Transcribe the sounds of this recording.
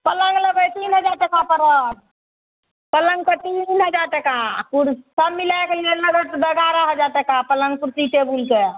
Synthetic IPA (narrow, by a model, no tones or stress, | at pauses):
pələ̃ŋɡləbəjt̪inɦəd͡ʒaɾt̪ekãpəɾə | pələŋɡ̚kət̪inɦəd͡ʒaɾt̪ekãkuɾsəbmilajkelenəɡəɾt̪b̪əɡaɾəɦəd͡ʒaɾt̪ekãpələ̃ŋɡ̚puɾsiʈebulke